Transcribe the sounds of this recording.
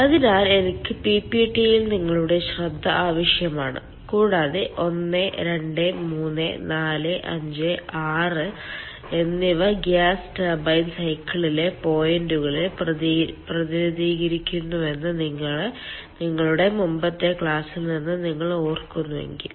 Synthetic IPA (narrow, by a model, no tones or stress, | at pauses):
ɐðinaːle̞nikʲːɨpipiʈijilniŋːɐɭuɽe̞ɕrɐd̪ʱːɐʔaːʋɐʂjɐmaːɳɨ̰ | kuːɻaːðeʔo̞nːɨɾe̞ɳɖɨmuːnːḛnaːlɨʔɐ̰ɲd͡ʑɨaːrɨ | e̞nːiʋɐɡaːsʈbɐjnsɐjkːɐɭile̞po̞ːjenduɣɐɭɨ | prɐðiɾɐðiːɣɐɾikʲːunːue̞nːɨniŋːɐɭ | niŋːɐɭuɽe̞mumbɐt̪ːekɭaːsilninːɨniŋːɐɭoːrkunːuʋe̞̰ŋɡḭl